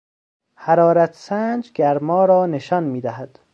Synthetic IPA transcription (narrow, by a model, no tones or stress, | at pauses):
hæɾɒːɾæt̪ʰsænd͡ʒɡæɾmɒːɾɒːne̞ʃɒːnmiːd̪æhæd̪̥